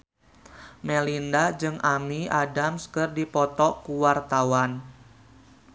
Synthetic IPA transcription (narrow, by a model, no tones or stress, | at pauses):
melindad͡ʒɨŋʔamiadamskɨrdipɔt̪ɔkuwart̪awan